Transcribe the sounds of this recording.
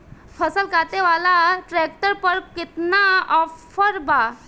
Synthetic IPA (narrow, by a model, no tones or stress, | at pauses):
fʰəsəlkat̪eʋalaʈɾek̚ʈəɾpəɾkit̪naɔffəɾba